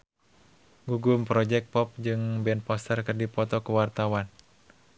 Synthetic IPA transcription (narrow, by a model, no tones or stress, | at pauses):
ɡuɡumpɾɔd͡ʒɛk̚pɔp̚d͡ʒɨŋbɛnpɔst̪ərkərdipɔt̪ɔkəwart̪awan